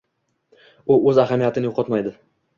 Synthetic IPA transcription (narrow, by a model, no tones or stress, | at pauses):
ʊɵzahamijat̪ʰɪnɪjoqʰɒt̪majd̪ɪ